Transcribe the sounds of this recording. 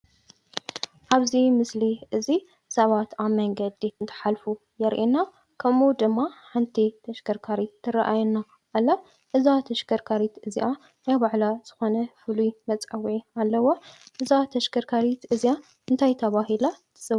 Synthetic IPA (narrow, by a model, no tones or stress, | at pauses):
ʔaβzimɨsliʔɨzi | sɐβat̪aβmɐŋɡɐd̪iɨnt̪ʰɐ̥ħalfu | jɛɾʔina | kʰɐmud̪ɨmːaħant̪ʰit̪ʰɐʃɡɐɾkʰaɾit̪ʰːɨraʔajɛnːa | ʔːlːa | ʔɨzat̪ʰɐʃɡɐɾkʰaɾit̪ɨziʔa | najbaʕlaz̥ɨxo̞nɐfɨlujmɐt͡sʼɐwʕialːɐwoʔɨzat̪ʰɐʃɡɐɾkʰaɾit̪ʰɨzija | ɨnt̪ʰajt̪ʰɐβaɦilat̪ʰɨ̥zɐ